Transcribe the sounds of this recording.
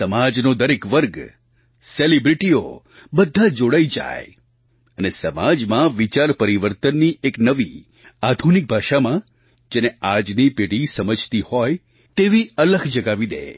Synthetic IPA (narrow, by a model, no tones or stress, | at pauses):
səmad͡ʒnod̪əɾekʋəɾɡ | selibɾiʈio̰ | bəd̪ʱːad͡ʒoɽaid͡ʒa̰j | ənesəmad͡ʒmãʋit͡ʃaɾpəɾiʋəɾt̪ənːiʔeknəʋi | ad̪ʱunik̚bʱaʃamã | d͡ʒenead͡ʒnipeɽisəməd͡ʒʱt̪ihɔj | t̪eʋiələɡʱd͡ʒəɡaʋid̪ḛ